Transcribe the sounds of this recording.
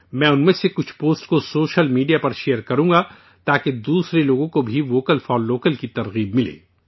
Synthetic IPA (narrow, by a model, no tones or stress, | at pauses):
mɛ̃ːʊnmẽsekʊt͡ʃʰpoːsʈkosoːʃəlmiːɖijapɐɾʃeːəɾkɐɾũːŋɡa | t̪aːked̪uːsɾeloːɡõkobʱiʋoːkəlfɔːlːoːkəlkit̪ɐɾɣiːbmɪlḛː